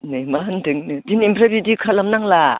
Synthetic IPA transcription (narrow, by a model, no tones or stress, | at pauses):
nɯjmandɯŋnɯdinimpʰɾabidikʰalamnaŋla